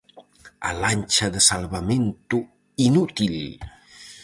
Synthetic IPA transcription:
a̰lanʲt͡ʃaðəsalˠβament̪u | inut̪il

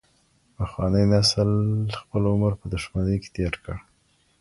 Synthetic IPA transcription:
pəxwɑnəjnaslxpəlʊməɾpəd̪ʊʃmanəjke̥t̪jɑʈkəɽ

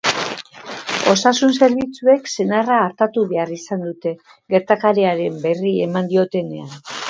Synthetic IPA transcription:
o̞sasunse̞ɾβit͡sue̞kse̞naraːɾt̪at̪uβe̞arisand̪ut̪e̞ | ɣe̞ɾt̪akaɾeaɾe̞mbe̞rie̞mand̪io̞t̪e̞ne̞an

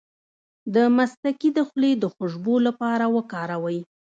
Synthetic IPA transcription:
d̪əmast̪akid̪əxled̪əxʊʒbolapɑɾawəkɑɾawəj

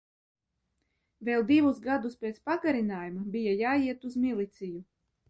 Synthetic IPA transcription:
vʲeːlˠd̪ivusɡad̪uspʲeːt̪spaɡaɾinaːjumabijajaːiɛt̪uzmilˠit̪siju

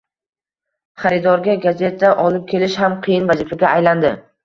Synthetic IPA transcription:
χaɾɪd̪ɒɾɡʲaɡaze̞t̪ʰːaʔɒlɪp̚kʲʰe̞lɪʃhamqʰɨjɪnvazifaɡʲaːjland̪ɪ

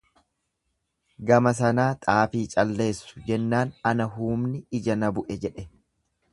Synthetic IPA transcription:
ɡɐmɐs̬ɐnaːt̪ʼaːfiːt͡ʃʼɐlːe̞ːsːʊ̥d͡ʒɛnːaːnɐnɐɦuːmnɪɪd͡ʒɐnɐbʊʔɛd͡ʒɛᶑɛ

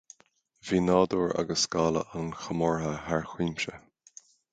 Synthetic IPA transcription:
viːnɑːd̪uːɹa̰ɡəskaːlə̰ʔanxəmɔɹɦəhaɹxwiːmʃə

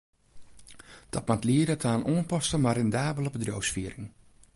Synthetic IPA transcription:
d̥ɔt̚matliədətʰaːnoənpɔstəmarɛndaːbələbədrowsfiəɾɪŋ

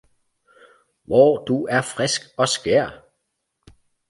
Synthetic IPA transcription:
ʋɒːd̥uæɐfʁɛsɡ̥ɒ̽sɡ̥ɛɐ̰

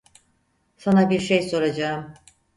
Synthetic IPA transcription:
sanabiɾʃejso̞ɾad͡ʒaɯm

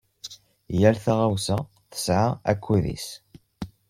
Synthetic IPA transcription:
jæɾθaʁawsæ | θə̥sʕaæ̰kʷʰːuðḭs

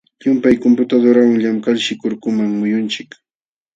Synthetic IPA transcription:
ʎʊmpajkompʊt̪ad̪oɾawaŋʎamkalʃɪkʊɾkʊmaŋmʊjʊnt͡ʃɪk

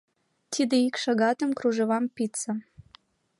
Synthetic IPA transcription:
t̪ʰid̪eikʃɑɣɑt̪ə̆mkruʒɤβɑmpit͡sə̆

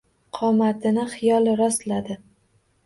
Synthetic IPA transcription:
qʰɒmat̪ʰɪnɪχɪjɒlˠɾɒst̪lad̪ɪ

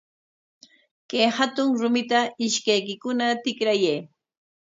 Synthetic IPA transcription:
kejhat̪ʊŋɾʊmɪt̪aɪʃkajkɪkʊnat̪ɪkɾajej

